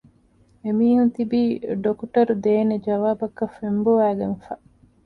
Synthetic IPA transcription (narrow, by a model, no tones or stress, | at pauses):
emiːɦunt̪ibiːɖokuʈɐɾud̪eːned͡ʒɐʋaːbɐkːɐfːemboʋæːɡenfɐ